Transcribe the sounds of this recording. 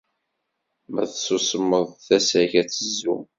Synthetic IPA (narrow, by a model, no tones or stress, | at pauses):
mæθsusəmːəðˤθæsæçæt͡sːəzːu